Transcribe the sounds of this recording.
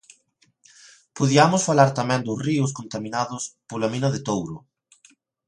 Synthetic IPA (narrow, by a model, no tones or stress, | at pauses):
poðiamʊsfalaɾt̪amɛ̃nd̪ʊsriʊs̬kont̪amĩnaðʊspolaminɐðɪt̪owɾʊ